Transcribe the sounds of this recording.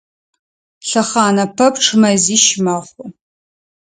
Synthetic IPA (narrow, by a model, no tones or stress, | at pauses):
ɬɐχɑːnɐpʰɐpʈ͡ʂʰɨmɐziːʃmɐχʷʊ